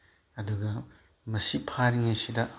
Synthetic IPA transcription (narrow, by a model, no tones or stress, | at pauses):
ɐduɡɐ | mɐsipʰaɾiŋɐjsidɐ